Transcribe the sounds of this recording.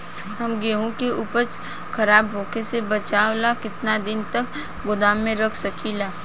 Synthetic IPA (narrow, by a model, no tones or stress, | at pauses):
hɐmɡeːɦõkeʔʊpət͡ʃ | kʰɐɾaːbɦoːkesebɐt͡ʃaːolakɪt̪nad̪ɪnt̪ɐk | ɡʊd̪aːmːẽɾɐkʰsɐkʰilaː